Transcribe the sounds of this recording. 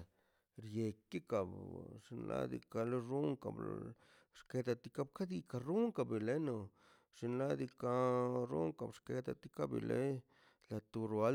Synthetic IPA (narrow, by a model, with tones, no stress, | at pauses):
ɾje˨ki˦ka˨bʂi˧nlʔa̰˦d̪ḭ˧ka˧lo˦ɾu˦ŋka̰˨bl | ʂke˧˦d̪a˧t̪i˦ka˦bka˦d̪i˧ka˧ɾu˦ŋka˧˨bi˨le˦no˨ | ʂi˧nla˦d̪i˧ka˧˦ɾu˦ŋka̰˨bʂke˧t̪a̰˧t̪i˦ka˦bḭ˨lʔḛ˦ | la˨t̪u˧ɾa˦